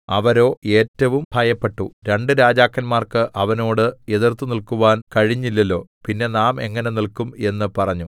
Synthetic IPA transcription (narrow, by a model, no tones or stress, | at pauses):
ɐʋɐɾo̞ːe̞ːtːɐʋumbʱɐjɐpːe̞ʈːuɾe̞ɳɖɨɾaːd͡ʑaːkːɐnmaːrkɨʔɐʋɐno̞ːɽɨe̞ðirt̪ːunilkuʋaːnkɐɻiɲːilːɐlːo̞ːpinːe̞naːme̞̰ŋːɐne̞nilkume̞nːɨpɐrɐɲːu